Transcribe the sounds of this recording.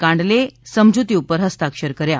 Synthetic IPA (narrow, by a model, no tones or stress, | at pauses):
kãɳɖlesəmd͡ʑut̪iupəɾɦəst̪akʂəɾkəɾja